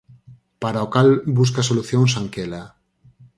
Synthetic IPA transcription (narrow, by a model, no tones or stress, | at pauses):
paɾaokalbus̬kasoluθjoŋs̬aŋkela